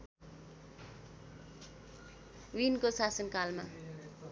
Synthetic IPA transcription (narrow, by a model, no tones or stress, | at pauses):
winkosasʌnkalma̰